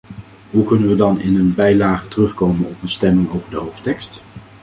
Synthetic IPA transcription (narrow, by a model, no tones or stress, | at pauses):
ɦukɵnənʋədɑnɪnənbɛjlaːχətərɵχkowmənɔpənstɛmɪŋowvəɹdəɦowftɛkst